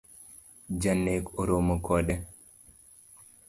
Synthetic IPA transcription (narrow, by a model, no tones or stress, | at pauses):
d͡ʒanːekɔɾomakʰɔɗɛ